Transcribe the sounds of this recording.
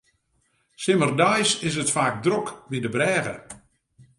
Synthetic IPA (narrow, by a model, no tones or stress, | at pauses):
sɪmərdajsɪs̬ətfaːk̚drɔkʋidəbrɛːɣə̰